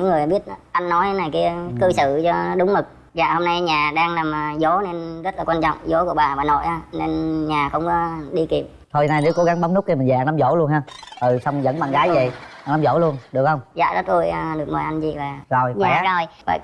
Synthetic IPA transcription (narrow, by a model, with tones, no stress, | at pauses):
ɲḭ˧˥ŋɨ˨˩əjɓi˦˥ət̚ʔa˧jŋːɔ˨˦jna˨˩jki˨˦kɨ˧sɨ̰˧˨t͡ɕɔ˧ɗʊ˨˦wŋ͡mmɨ˨˩k̚ | za̰ː˧˨ho˧mna˧jɲaː˨˩ɗaː˧ŋlaː˨˩mː˨˩zo˨˦ne˧nzə˦˥t̚laː˨˩kwaː˧nt͡ɕɔ̰˧˨wŋ͡mzo˨˦ku˧˩əɓaː˨˩vaː˨˩no̰˧˨jʔaː˨˧˦ne˧nɲaː˨˩xə̰˧wŋ͡mkɔ˨˦ɗi˧ki˨˩əp̚ | t̪ʰo˧jnaː˧ne˨˦wko˨˦ɣa˨˦ŋɓa˨˦ŋ͡mnu˦˥k̚ːe˧mï˨˩ɲzaː˨˧nlaː˨˦zo˧˩˦lu˧ənhaː˧ʔə˨˩sa˧wŋ͡mzə̰˧˥nɓaː˨˩nɣaː˨˦jvə̰˧˨jʔʔa˧naː˨˦mzo̰˧˩˦lu˧ənɗɨ˨˩əkhə˧wŋ͡mza̰ː˧˨zə˦˥t̚ku˧jɗɨ˨˩ək̚mə˨˩jʔa˧jnzḭ˧˨vaː˨˩zo˨˩jaː˨˦˨a˧jva̰ː˧˨j